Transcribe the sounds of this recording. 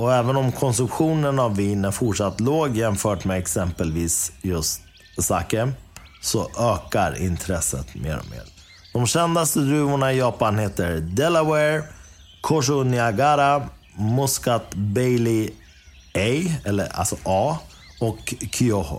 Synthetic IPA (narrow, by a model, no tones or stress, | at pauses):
ɔɛːvənɔmkʰɔnsɵmpɧuːnənavːiːnæɾfʊʈʂat̪ːloːɡjɛmfœːʈmeɛksɛmpəlviːsjɵst̪̚ | sa̰kə | sɔʔøːkaɾɪ̰nt̪ʰɾɛsːə̰t̪mḛːɾɔ̰mḛːɾ | d̪̥ɔmɕɛnd̪ast̪əd̪ɾʉ̟ːvʊɳaɪjɑːpanheːt̪əɾd̪ɛlawɛɾ | kʰɔʂ̬ʊnɪaɡaːɾa | mʊskat̪bɛjlɪ | ɛjɛlːə̰a̰lsɔʔɑː | ɔkʰːʏɔhʊ̰